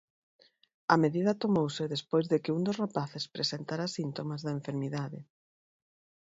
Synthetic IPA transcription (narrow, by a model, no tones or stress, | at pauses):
ɐmeðiðɐt̪omowsɪðespojzðekɪund̪ʊzrapaθespɾesent̪aɾasint̪omazðɐeɱfeɾmiðaðɪ